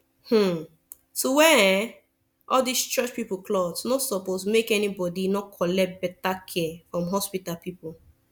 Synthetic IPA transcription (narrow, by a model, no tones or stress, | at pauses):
hm̩ | sowɛ | ʔɔldist͡ʃɔt͡ʃpipoklɔdsnosɔposmekɛnibɔdinɔkʰɔlɛt̚bɛtakʰɛfɹɔ̃mɦɔspitapipo